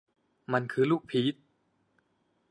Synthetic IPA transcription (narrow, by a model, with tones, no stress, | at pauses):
ma˧nkʰɯː˧luː˥˩k̚pʰiː˦˥t̪̚